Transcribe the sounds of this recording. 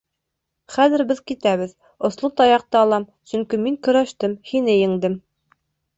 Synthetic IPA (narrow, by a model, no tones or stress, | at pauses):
χæðɘ̆ɾbɘðkit̪æβɘð | ŏslˠɤt̪ɑjɑq̚t̪ɑːlˠɑmsɵŋkimiŋkɵ̆ɾæʃt̪ɘmhinɘjɘ̆ŋd̪ɘm